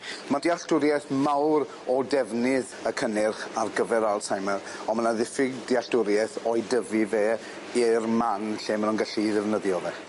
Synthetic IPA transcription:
madiaɬtʊɾjɛθmawɾ | ɔdɛvnɪðəkʰənɪrχarɡəvɛɾalˠtʰajmɛrɔnmənaðɪfɪɡdiaɬdʊɾjɛθɔjdəviveː | irmanɬeːmənunɡaɬiðɪvnəðjɔvɛ

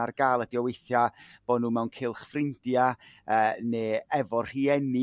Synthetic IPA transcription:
arɡ̥aːlˠədiɔwejθjab̥ɔnuːmɛwnkʰɪlˠχfrɪnd̥jaəːneːɛvɔr̥r̥iːɛni

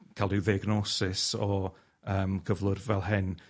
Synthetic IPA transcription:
kʰalˠdɪwðiɡnɔsɪsɔ | əːmɡəvlˠʊrvɛlˠɦɪn

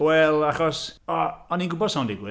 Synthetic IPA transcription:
wɛlˠaχɔsɔɔninɡʊbɔd̥saw̃ndɪɡwɪ

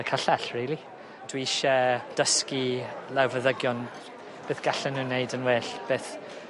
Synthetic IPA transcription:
əkʰaɬɛɬriːlˠi | d̥wiʃɛd̥əskilɛwvəðəɡjɔn | b̥eːθɡ̥aɬənunejdənweːɬb̥eːθ

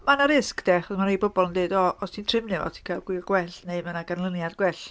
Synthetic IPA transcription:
manaɾɪskd̥ɛχɔsmanejbɔbɔlˠəndeːdɔɔstʰintʰrɪmnɨvɔ̰tʰi̥kʰalˠɡwɪrɡwɛɬneɨmənaɡanlˠənjadɡwɛɬ

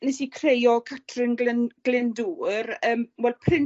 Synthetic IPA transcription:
nɛsikʰrejɔkʰatʰrɪnɡlɪnɡ̥lɪnduːrəːmwɛlˠpʰrɪn

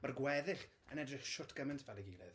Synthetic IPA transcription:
marɡwɛðɪɬ | ə̰nɛdrɪχʃʊtʰɡ̥əmɨntʰvɛlˠɛɡilˠɨ̰ð

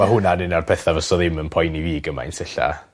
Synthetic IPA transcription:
maɦʊnanɪnarpʰɛθavəsɔðɪmənpʰɔjniviːɡəma̰ɪ̰nsɪɬa̰

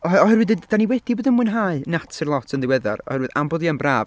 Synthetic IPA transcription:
ɔɔhɛrwɨðd̥aniwɛdiboːðənmuɨnɦaɨnatʰɨrlˠɔtʰəndɪwɛða̰rɔ̰hɛɾwɨða̰mboðianbraːv

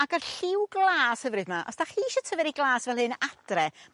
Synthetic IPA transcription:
aɡarɬɪwɡlˠaːshəvrɨdmaʔɔ̰sd̥aχiːʃɔtʰəvɛɾiɡlˠaːsvɛlˠhɨːnad̥rɛ

